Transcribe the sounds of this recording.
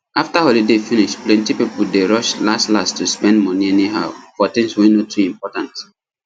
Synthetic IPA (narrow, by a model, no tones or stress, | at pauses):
aftahɔlidefĩniʃplɛ̃ntipipul̩deɹʌʃlastlastuspɛ̃ndmʌnĩɛniɦa̰ʊfɔtĩŋswinotʰuĩmpɔtãnt